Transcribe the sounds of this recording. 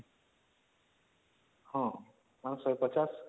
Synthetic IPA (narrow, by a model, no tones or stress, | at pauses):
hɔ̃ | manõsʌpʌt͡ʃas